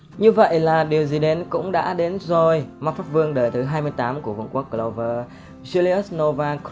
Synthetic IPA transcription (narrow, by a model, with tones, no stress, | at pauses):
ɲɨ˧və̰˧˨jlaː˨˩ɗi˨˩əwzi˨˩ɗe˨˦nkʊ̰˧˥ŋ͡mɗa̰ː˧˥ɗe˨˦nzo˨˩jma˦˥t̚faː˦˥p̚vɨ˧əŋɗəː˨˩jt̪ʰɨ˨˦ɦaː˧jmɨ˧əjt̪aː˨˦mku˧˩əv̰ṵ˧˨ŋku˦˥ək̚ːlo˧˩wvəː˧˩ | zu˧li˧ə˦˥s̚no˧vaː˧k